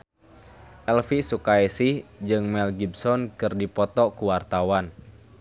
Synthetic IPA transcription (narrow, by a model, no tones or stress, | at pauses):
ʔɛlfisukaɛsihd͡ʒɨŋmɛlɡibsɔnkɨrdipɔt̪ɔkuwart̪awan